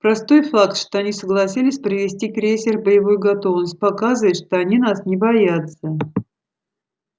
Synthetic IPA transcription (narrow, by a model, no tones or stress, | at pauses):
pɾɐst̪o̞jfakt̪ʂt̪oɐnʲisəɡlˠɐsʲilʲɪsʲpɾʲɪvʲɪsʲtʲikɾʲesʲɪrbəjɪvojuɡɐt̪o̞vnəsʲt̚ʲpɐkazɨvət̪ʂt̪o̞ɐnʲinasnʲɪbɐjat̪sə